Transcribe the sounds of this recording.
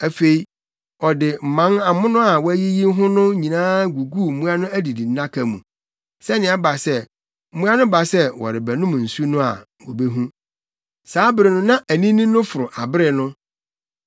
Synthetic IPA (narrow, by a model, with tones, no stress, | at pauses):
æ˨fe˨i˦ | ɔ˨dɪ˨m̩˨mã˨˦na˨mʊ̃˦nʊ̃˦a˨wɔ˦æ˦ji˦ji˦ɦʊ̃˦nʊ̃˦ɲĩ˨nãː˦ɡu˨ɡu˦˨m̩˦mũ˦a˦nʊ̃˦æ˦di˨di˨n̩˦nã˦kʰa˨mũ˨ | sɛ˦nɪ̃˨a˦ba˨sɛ˦ | m̩˦mũ˦a˦nʊ̃˦ba˨sɛ˦wɔ̰˨ɾɪ˨bæ˨nʊ̃˦m˨n̩˨su˦nʊ̃˦a̰˨ | wɔ̰˨be˦ɦũ˦ | saː˨˦bɪ˦ɾɪ˨nʊ̃˦nã˦ʔæ˨nĩ˦nĩ˦nʊ̃˦fʊ˨ɾʊ˨ʔa˨bɪ˦ɾɪ˨nʊ̃˦